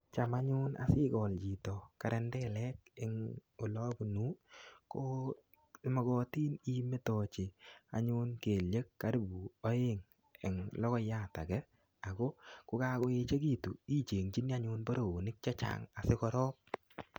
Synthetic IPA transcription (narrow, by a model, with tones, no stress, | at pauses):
t͡ʃa˨ma˦ɲʊ˦na̰˨sɪ˦ɡɔ˨ld͡ʒi˨tɔ˨ka˨ɾɛ˦ndɛ˦lɛ˦kɪ˨ŋo˨lɔ˦ɡu˨nu˦ko˦ | mɔ˨ɡɔ˨ti˦ni˦me˦tɔ˨t͡ʃɪ˨a̰˨ɲʊ˦nke˨lje˦kːa˨˦ɾi˦bu˨ɔ˦ɪ˦ŋ | ɛ˨ŋlɔ˦kɔ˦ja˦˨ta˨ɡɛ˦ | a˨ɡɔ˦kʊ˦ka˦kɔ˦ɪ˦t͡ʃe˦ɡ̬i˦˨tṵ˨i˦t͡ʃe˨ŋt͡ʃi˦ni˦a˦ɲʊ˦nbo˦ɾo˨o˨nɪ˦k̚t͡ʃa˦t͡ʃa̰ŋa˨sɪ˦kɔ˦ɾɔ˦p̚